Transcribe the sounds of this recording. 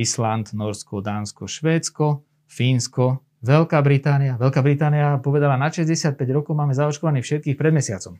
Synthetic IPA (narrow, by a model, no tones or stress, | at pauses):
island̪nɔɾskɔd̪aːnskɔʃʋɛːt͡skɔ | fiːnskɔ | ʋɛlkaːbɾit̪aːnijaʋɛlkaːbɾit̪aːnijapɔʋɛd̪alanaʃɛzɟɛsɪat̪̚pɛɟɾɔkɔʊmaːmɛzaɔt͡ʃkɔʋaniːfʃɛt̪̚kiːxpɾɛd̪mɛsɪat͡sɔm